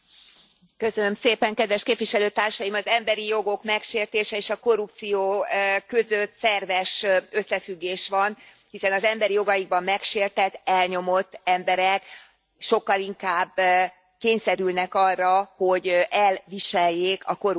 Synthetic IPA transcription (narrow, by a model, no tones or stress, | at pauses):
kø̞sønø̞mseːpɛŋkɛd̪ʋɛʃkeːpʋiʃɛløːt̪aːrʃɒjimɒzɛmbɛɾijo̞ɡo̞kmɛkʃeːrt̪eːʃɛeːʃɒko̞rup̚t̪sijoːkøzøt̪sɛrvɛʃøsːɛfyɡːeːʃʋɒn | hisɛnɒzɛmbɛɾijo̞ɡɒjiɡ̚bɒmːɛkʃeːrt̪ɛt̪ːɛlɲo̞mot̪ːɛmbɛɾɛk | ʃo̞kːɒliŋkaːb | keːɲsɛɾylnɛkɒrːɒho̞ɟʔɛlviʃɛjːeːkʰɒko̞ɾ